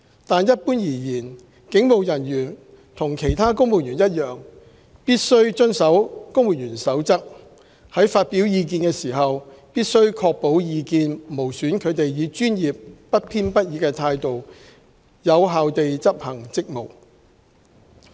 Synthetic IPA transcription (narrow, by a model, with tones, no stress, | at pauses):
t̪aː˨njɐ˥t̚puː˥njiː˨˩jiː˨˩n | kɪ˨˥ŋmo˨wjɐ˨˩njyː˨˩n | t̪ʰʊ˨˩ŋkʰe˨˩jt̪ʰaː˥kʊ˥ŋwuː˨˩njyː˨˩njɐ˥t̚jœː˨ŋ | piː˥t̚sɵ˥ɥt͡ʃɵ˥nsɐ˨˥wkʊ˥ŋwuː˨njyː˨˩nsɐ˨˥wt͡sɐ˥k̚ | hɐ˨˥jfaː˧t̚pi˨˥wjiː˧k̬iː˧nkɛː˧siː˨˩ɦɐ˨w | piː˥t̚sɵ˥ɥkʰɔː˧k̚po˨˥wjiː˨˧kiː˧nmo˨˩wsyː˨˥nkʰɵ˨˧ɥt̪e˨jjiː˨˧t͡ʃyː˥njiː˨p̚ːɐ˥t̚pʰiː˥npɐ˥t̚jiː˨˧kɛː˧t̪ʰaː˧jt̪o˨w | jɐ˨˧wɦaː˨wt̪e˨jt͡sɐ˥p̚hɐ˨˩ŋt͡sɪ˥k̚mo˨˩w